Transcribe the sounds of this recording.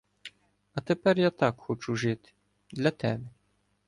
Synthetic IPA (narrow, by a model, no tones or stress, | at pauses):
ɐt̪ɛpɛrjat̪akxɔt͡ʃuʐɨt̪ʲ | d̪lʲɐt̪ɛbʲɛ